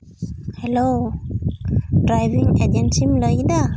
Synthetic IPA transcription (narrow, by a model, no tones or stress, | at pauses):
hɛlo | dɾajvĩŋɛdɛ̃nsimlɔida